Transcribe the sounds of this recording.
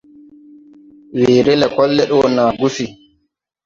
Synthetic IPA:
weːɾɛlɛkɔlːɛɗɔnaːɡufi

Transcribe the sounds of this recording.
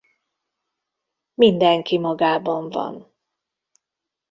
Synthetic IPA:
mind̪ɛŋkimɒɡaːbɒɱvɒ̰n

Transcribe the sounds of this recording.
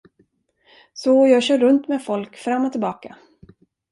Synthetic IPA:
sɔjɑːɡɕœːɾːɵnt̪mɛfɔlkfɾamːɔt̪ʰɪlbɑːka

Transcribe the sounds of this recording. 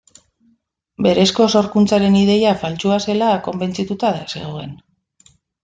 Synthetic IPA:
be̞ɾe̞sko̞so̞ɾkunt͡saɾe̞niðe̞jafalt͡ʃuase̞lako̞mbe̞nt͡sit̪ut̪aðasḛɣ̞oe̞n

